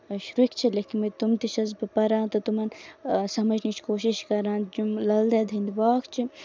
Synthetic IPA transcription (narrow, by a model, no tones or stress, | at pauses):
ʃɾukt͡ʃʰileːkinmet̪umt̪iʃɐz̬bɨpɐɾãːt̪ɐt̪umɐnsɐmɐd͡ʒʱnit͡ʃʰkoːʃiʃkɐɾãːnd͡ʒumlɐld̪ɐd̪ʱind̪ʋaːkt͡ʃʰi